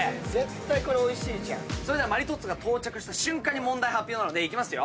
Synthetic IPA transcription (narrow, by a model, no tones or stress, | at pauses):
zẽ̞t̪ːaiko̞ɾeo̞iɕiːt͡ɕã̰soeeamaɾʲit̪o̞t͡sɨɡat̪ʰo̞ːt͡ɕakɯ̟ɕi̥t̪aɕɨ̃ŋkãɲ̟ːimõ̞nd̪aihapʲːjo̞ːnanod̪e̞ikʲimasɨjo̞̰